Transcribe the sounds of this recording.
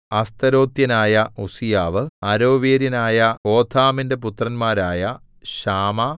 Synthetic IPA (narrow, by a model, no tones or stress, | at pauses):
ɐst̪ɐɾo̞ːt̪jɐnaːjɐusijaːʋɨɐɾo̞ːʋeːɾjɐnaːjɐko̞ːt̪ʰaːminde̞put̪rɐnmaːɾaːjɐ | ɕaːmɐ